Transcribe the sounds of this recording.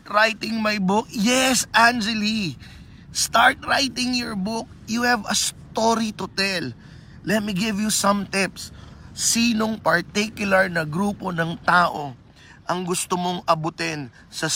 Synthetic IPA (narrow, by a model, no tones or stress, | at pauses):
t̪ɾajt̪ɪ̃ŋmɐjbʊk̚jɛsʔand͡ʒɛli | st̪aɹt̪̚ɹajt̪ɪ̃ŋjɔɹbʊk̚juhɛvɐst̪oɾit̪ʊt̪ɛl | lːɛt̪̚miɡɪvjusɐ̃mt̪ɪps | iːnoŋpɐɹt̪ikjʊlɐɹnɐɡɾuːpo̞nɐŋt̪aːʔo | ʔɐŋɡʊst̪omoŋɐbʊt̪ɛn | sɐ